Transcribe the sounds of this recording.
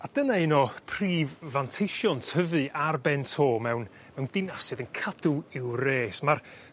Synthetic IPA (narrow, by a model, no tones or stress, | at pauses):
ad̥ənaɪnɔpʰriːvːantʰɪʃjɔntʰəvɨʔarbɛntʰoːmɛwn | mɛwndɪnasɨðənkʰadʊɪwreːsmar